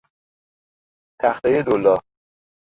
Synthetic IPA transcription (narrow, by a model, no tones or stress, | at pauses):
t̪ʰæxt̪ɒjed̪olːɒː